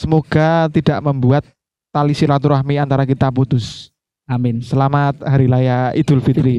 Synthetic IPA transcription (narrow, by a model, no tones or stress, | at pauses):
səmoɡ̥at̪idaʔməmbuat̪̚ː | alisiɾat̪uɾaɦmiant̪aɾakit̪aput̪ʊs | aminsəlamat̪̚haɾilajaid̪̥ʊlfit̪ɾi